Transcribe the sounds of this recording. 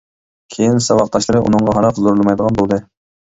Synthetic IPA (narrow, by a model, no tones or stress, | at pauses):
kʲʰejinsɑwɑqt̪ʰɑʃlˠɨɾɨʔṵnɨŋʁɑɦɑɾɑqzoɾlˠmɑjd̪əʁɑnbolˠd̪ɨ